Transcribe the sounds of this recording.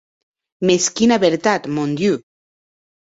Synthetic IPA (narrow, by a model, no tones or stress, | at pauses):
meskinaβeɾt̪at̪mõnd̪ju